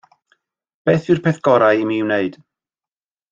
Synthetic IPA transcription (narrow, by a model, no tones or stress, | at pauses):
b̥eːθɨrpʰɛθɡ̥ɔɾajmiːwneɨd̥